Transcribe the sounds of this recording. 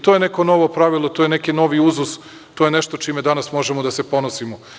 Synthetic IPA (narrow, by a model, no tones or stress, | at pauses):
t̪ojeneko̞no̞ʋo̞pɾaʋilˠot̪ojene̞kino̞ʋiuzus | t̪ojeneʃt̪ot͡ʃimed̪anasmo̞ʒemod̪asepo̞nosimo